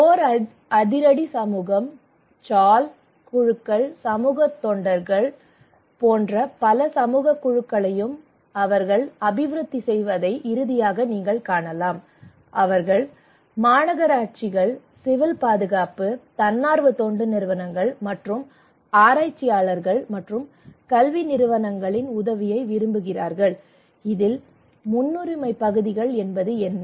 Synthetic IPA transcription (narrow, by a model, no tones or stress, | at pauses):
oːɾɐ | ɐðɪɾɐɽisɐmuːɣɐm | t͡ʃaːl | kʊɻɯkːɐɭsɐmuːɣɐt̪ːɔːɳɖɐɾɣɐɭ | poːndrɐpɐlɐsɐmuːɣɐkːʊɻɯkːɐɭɐjɯm | ɐʋɐɾɣɐɭɐbɪʋɾɯt̪ːisɛjʋɐðɐɪʔɪɾɯðɪjaːɣɐniːŋɡɐɭkaːɳɐlaːm | ʔɐʋɐɾɣɐɭ | maːnɐɣɐɾaːʈ̚t͡ʃɪɣɐɭ | sɪʋɪlpaːðɯɣaːpɯt̪ɐnːaːɾʋɯt̪oːɳɖɯnɪɾɯʋɐnɐŋɡɐɭmɐʈrɯm | aːɾaːt͡ʃːɪjaːɭɐɾɣɐɭmɐʈrɯm | kɐlʋinɪɾɯʋɐnɐŋɡɐɭɪnʊðɐʋɪjɐɪʋɪɾɯmbɯɣɪraːɾɣɐɭ | ɪðɪl | mʊnːɯɾɪmɐɪpːɐɣɯðɪɣɐɭɛnbɐðɯɛnː